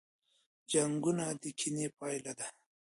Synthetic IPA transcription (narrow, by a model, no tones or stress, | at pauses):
d͡ʒaŋɡunad̪ikʰinepɑjlad̪a